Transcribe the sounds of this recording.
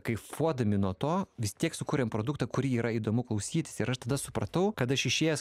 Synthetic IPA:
kɐɪfuɔd̪ɐmʲɪnuɔt̪oːʋʲɪst̪ʲiɛksʊkuːɾʲɛmpɾoːd̪ʊkt̪ɐkʊɾʲiːɾɐiːd̪oːmʊklˠɐʊsʲiːt̪ʲɪ̥sɪɾɐʃt̪ɐd̪ɐsʊpɾɐt̪ɐʊkɐt̪ɐʃɪʃʲeːjɛs

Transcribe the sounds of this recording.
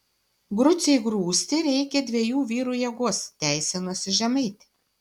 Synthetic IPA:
ɡɾʊt̪sʲɛɪɡɾuːsʲt̪ʲɪɾʲɛɪkʲɛd̪ʲʋʲiɛjuːʋʲiːɾuːjɛɡoɔst̪ʲæɪsʲɛnosʲɪʒʲɛmɐɪt̪ʲɪ

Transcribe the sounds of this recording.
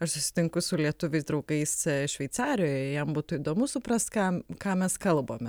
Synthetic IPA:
ɐʃsʊsʲɪ̥t̪ʲɪŋkʊsʊlʲiɛt̪ʊʋʲɛɪsd̪ɾɐʊɡɐɪsʃʲʋʲɛɪt̪sɑːɾʲɪjoːjɛjɛmbuːt̪ʊiːd̪oːmʊsʊpɾɐst̪kɑːkɑːmʲɛskɐlˠboːmʲɛ

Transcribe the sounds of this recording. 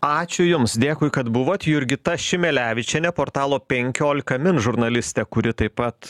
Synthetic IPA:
ɑːt͡ʃʲʊjʊmsd̪ʲeːkʊːɪkɐt̪bʊʋoːt̪ʲjʊɾʲɡʲɪt̪ɐʃʲɪmʲɛlʲæːʋʲɪt͡ʃʲɛnʲɛpoːɾt̪ɑːlˠoːpʲɛŋʲkʲoːlʲɪkɐmʲɪnʒʊɾnɐlʲɪsʲt̪ʲɛkʊɾʲɪt̪ɐɪpɐt̪

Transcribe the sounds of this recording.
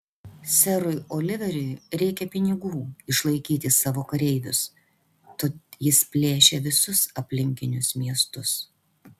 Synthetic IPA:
sʲɛɾʊɪoːlʲɪʋʲɛɾʲʊɪɾʲɛɪkʲɛpʲɪnʲɪɡuːɪʃlˠɐɪkʲiːt̪ʲɪsɑːʋoːkɐɾʲɛɪʋʲʊs | t̪oːjɪspʲlʲeːʃʲɛʋʲɪsʊsɐpʲlʲɪŋʲkʲɪnʲʊsmʲiɛst̪ʊs

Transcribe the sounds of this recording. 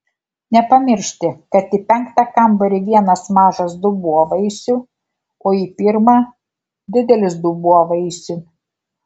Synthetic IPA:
nʲɛpɐmʲɪɾʲʃʲt̪ʲɪkɐt̪ipʲɛŋkt̪ɑkɐmbɐɾʲɪʋʲiɛnɐsmɑːʒɐsd̪ʊbuɔʋɐɪsʲʊ | oːipʲɪɾmɑ | d̪ʲɪd̪ʲɛlʲɪsd̪ubuɔʋɐɪsʲʊ

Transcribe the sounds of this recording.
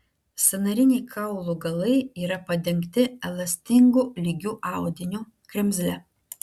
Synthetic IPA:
sʲɛnɐɾʲɪnʲɛɪkʰɐˑʊlˠuːɡɐlˠɐɪiːɾɐpɐd̪ʲɛŋʲkt̪ʲɪɛlˠɐsʲt̪ʲɪŋɡuːlʲiɡʲuːʔɑˑʊd̪ʲɪnʲuː | kɾʲɛmʲzʲlʲɛ

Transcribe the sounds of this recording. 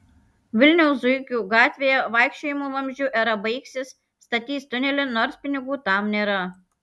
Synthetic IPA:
ʋʲɪlʲnʲɛʊsʊɪkʲuːɡɑːt̪ʲʋʲeːjɛʋɐɪkʃʲt͡ʃʲoːjɪmoːʋɐmʲʒʲd͡ʒʲʊʔɛɾɐbɐɪksʲɪs | st̪ɐt̪ʲiːst̪ʊnʲɛlʲɪnoːɾsʲpʲɪnʲɪɡuːt̪ɑmnʲeːɾɐ

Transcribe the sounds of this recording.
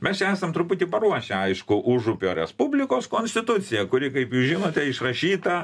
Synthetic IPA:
mʲɛst͡ʃʲɛæːsɐmt̪ɾʊpʊt̪ʲiːpɐɾuɔʃʲɛɐɪʃkʊʔʊʒʊpʲoːɾʲɛ̰spubʲlʲɪkoːskoːnʲsʲt̪ʲɪt̪ʊt̪t͡s̪sʲɪjɛkʊɾʲɪkɐɪpjuːsʒʲɪnoːt̪ʲɛɪʃrɐʃʲiːt̪ɐ

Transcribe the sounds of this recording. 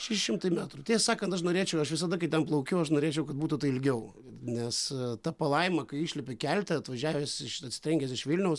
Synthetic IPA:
ʃʲæʃʲɪʃʲɪmt̪ɐɪmʲæːt̪ɾut̪ʲiːssɑːkɐnt̪ɐʃnoːɾʲeːt͡ʃʲɛʊɐʃʋʲɪsɐd̪ɐkɐɪtʲɛnplˠɐʊkʲʊɐʃnoːɾʲeːt͡ʃʲɛʊkɐt̪̚buːt̪ʊt̪ɐɪɪlʲɡʲɛʊ | nʲɛst̪ɐpɐlˠɐɪmɐkɐɪiːʃʲlʲɪpʲɪkʲælʲt̪ʲɛɐt̪ʋɐʒʲæːʋʲesɪʃɐt̪ʲsʲɪt̪ʲɾɛŋʲɡʲɛːsɪʃʋʲɪlʲnʲɛʊs

